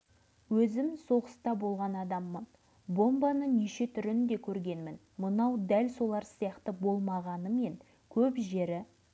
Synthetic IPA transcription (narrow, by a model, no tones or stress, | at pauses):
wɵzɪmso̞ʁəst̪ɑbo̞lˠʁɑnɑd̪ɑmːən | bo̞mbɑnəniʃe̞t̪ʰʏɾɪnd̪e̞kʲʰɵɾɡʲe̞nmɪn | mənɑwd̪ælso̞lˠɑɾsijɑqt̪əbo̞lˠmɑʁɑnəme̞ŋ | kʲʰɵpʒe̞ɾɪ